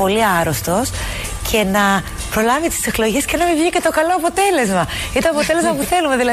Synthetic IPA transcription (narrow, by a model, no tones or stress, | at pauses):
o̞liɐɾost̪o̞s | cʰe̞nɐ | pɾo̞lɐvit̪i̥seklo̞ʝe̞sce̞nɐmivʝicet̪o̞kɐlo̞ɐpo̞t̪e̞le̞zmɐint̪oɐpo̞t̪e̞le̞zmɐpuθe̞lume̞ðilɐ